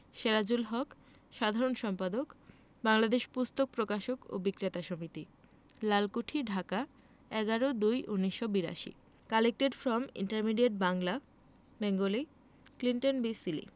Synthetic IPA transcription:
ʃeɾad͡ʑulɦɔk | ʃad̪ʱaɾonʃɔmpad̪ok | baŋlad̪eʃpust̪ok̚pɾokaʃoko̰bikɾet̪aʃomit̪i | lalkuʈʰiɖʱaka | ɛɡaɾod̪ujʔunːiʃːobiɾa̰ʃḭ | kalek̚ʈeɖfɾɔmḭɳʈaɾmiɖieʈ̚baŋla | bɛŋɡoli | kliɳʈonbisilḭ

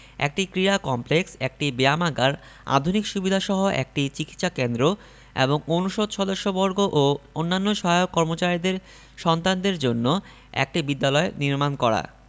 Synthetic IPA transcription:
ḛk̚ʈikɾiɾakɔmpleksek̚ʈibeamaɡaɾ | a̰d̪ʱunikʃubid̪ʱaʃɔɦoʔḛk̚ʈit͡ɕiki̥t̪ʃakend̪ɾo | ḛboŋonuʃod̪ʃɔd̪oʃːobɔɾɡoʔoonːanːoʃɔɦajokːɔɾmot͡ɕaɾid̪eɾ | ʃɔnt̪and̪eɾd͡ʑonːo | ḛk̚ʈibid̪ːalɔeniɾmankɔɾa̰

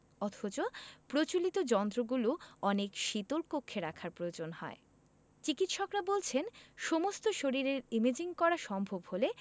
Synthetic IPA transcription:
ɔt̪ʰot͡ɕopɾot͡ɕolit̪od͡ʑɔnt̪ɾoɡuloɔnekʃit̪oɾpokʰːeɾakʰaɾpɾood͡ʑonhɔ̰e | t͡ɕikit̪ʃɔkɾabolt͡ɕʰenʃomost̪oʃoɾiɾeɾimed͡ʑiŋkɔɾaʃɔmbʱobhole

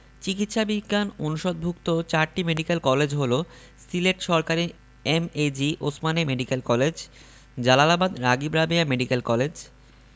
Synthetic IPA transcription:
t͡ɕikit̪ʃabiɡːanonuʃod̪̚bʱukt̪ot͡ɕaɾʈimeɖikelkɔled͡ʑɦolo | sileʈʃɔɾkaɾi | emed͡ʑiʔosmanemeɖikelkɔled͡ʑ | d͡ʑalalabad̪ɾaɡibɾabiameɖikelkɔled͡ʑ

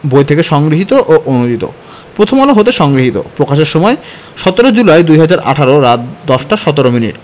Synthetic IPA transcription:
bojt̪ʰekeʃɔŋɡɾiɦit̪oʔoʔonud͡ʑit̪o̰ | pɾot̪ʰomɔloɦot̪eʃɔŋɡɾiɦit̪o̰pɾokaʃeɾʃɔmɔe | ʃɔt̪oɾod͡ʑulajd̪ujɦad͡ʑaɾʔa̰ʈʰaɾoɾat̪̚d̪ɔʃʈaʃɔt̪oɾominḭʈ

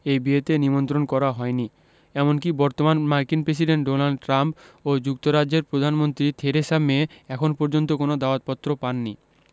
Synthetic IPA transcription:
ejbiet̪enimont̪ɾonkɔɾaɦɔeni | ɛmonkibɔɾt̪omanmaɾkinpɾes̬iɖeɳʈ̚ɖonalɖ̚ʈɾampod͡ʑuk̚t̪oɾad͡ʑd͡ʑeɾpɾod̪ʱanmont̪ɾit̪ʰeɾeʃamːeɛkʰonpɔɾd͡ʑont̪okonod̪aot̪̚pɔt̪ːɾopanːi

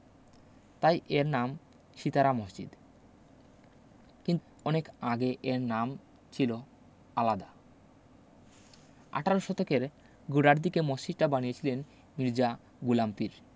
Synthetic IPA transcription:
t̪ajʔeɾnam | ʃit̪aɾamɔsd͡ʑḭd̪ | kint̪ | ɔnekaɡeʔeɾnam | t͡ɕʰilo | alad̪a | a̰ʈʰaɾoʃɔt̪ʰokeɾ | ɡuɖaɾd̪ikemɔsd͡ʑid̪̚ʈabañiet͡ɕʰilenː | iɾd͡ʑa | ɡulamp̪iɾ

